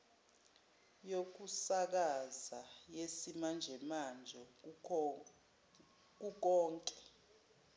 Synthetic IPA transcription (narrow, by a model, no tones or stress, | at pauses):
jok̬usak̬azajesimand͡ʒʱɛmand͡ʒʱɔ | k̬uk̬ɔːŋkʼɛ̥